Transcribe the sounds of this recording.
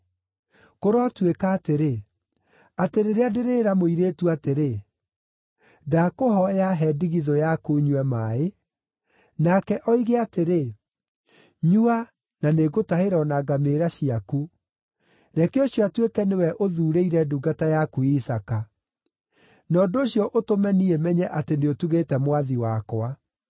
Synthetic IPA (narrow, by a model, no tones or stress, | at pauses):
koɾɔtwekaːteɾe | ateɾeɾeadeɾeːɾamoiɾeːtuateɾe | dakoɦɔjaɦɛdiɣiðojakuɲwɛmae | nakɛʔɔiɣeateɾe | ɲua | naneɣotaheɾɔnaɡameːɾaɕiaku | ɾɛkeoɕjɔatwekɛnewɛʔoðuːɾeiɾɛduɡatajakuisaka | nɔːdoːɕjɔʔotomɛniɛmɛɲɛʔateneotuɣetɛmwaðiwakoa